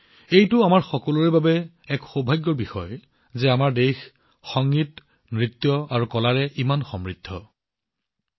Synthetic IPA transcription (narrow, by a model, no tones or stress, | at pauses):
ejtʊamaɹxɔkɔloɹebabɛ | ɛkxobʱajɡːɔɹbixɔj | zɛamaɹdejx | xɔŋɡit | mɹit̪ːjɔaɹukɔlaɹɛʔimanxɔmɹid̪ʱːɔ